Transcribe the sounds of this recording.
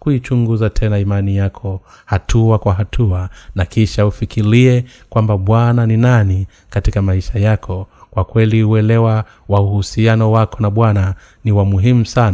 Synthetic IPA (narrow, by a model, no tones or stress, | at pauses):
kuit͡ʃuŋɡuzatʰɛnaimanijakʰɔhatʰuakwaɦatʰuanakiʃaufikiɾiɛ | kwambaɓwananinani | katikamaiʃajakʰɔkwakwɛliuɛlɛwa | wauhusianɔwakɔnaɓwana | niwamuɦimusan